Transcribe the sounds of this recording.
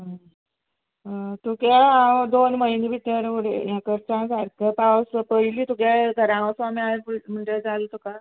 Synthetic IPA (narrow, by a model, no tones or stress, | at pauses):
ɦə | ɦt̪ukjaad̪onməɦinebit̪əɾuɽḛjãkəɾt͡ɕãsaɾkʰəpawspəɦiliːt̪ukjaɡ̪ʱəɾãɽ̃asamiaem̤əɳʈed͡zalt̪uka